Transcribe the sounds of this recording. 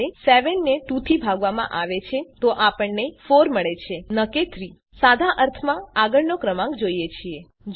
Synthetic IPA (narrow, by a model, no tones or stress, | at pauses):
eseʋenːeʈut̪ʰibʱaɡʋamã̰ʔaʋet͡ʃʰet̪oʔapəɳnefoɾməɭet͡ʃʰenəket̪ʰɾi | sad̪ʱaʔəɾt̪ʰmãaɡəɭnokɾəmãŋɡd͡ʒoijet͡ʃʰie | d͡ʒ